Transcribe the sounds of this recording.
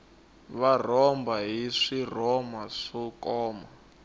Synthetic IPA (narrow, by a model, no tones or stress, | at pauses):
βar̤ɔmbaɦiʂirɔmaʂɔkɔːma